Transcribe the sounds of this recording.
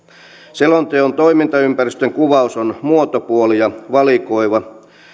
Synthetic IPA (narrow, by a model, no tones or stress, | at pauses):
selont̪eont̪oimint̪ɑympæryst̪øŋkuʋɑusonmuot̪opuolijɑʋɑlikoiʋɑ